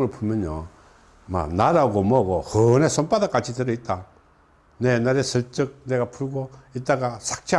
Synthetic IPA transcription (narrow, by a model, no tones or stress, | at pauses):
ɯɭpʰumjʌnjʌ̰ | ma̰naɾaɡomʌɡohɯnesonpadak͈at͡ɕʰitɯɾɯit̚t͈a | nenaɾesʰɯɭt͡ɕɯk̚neɡapʰuɭɡoit̚t͈ːaɡasʰḁk̚t͡ɕʰe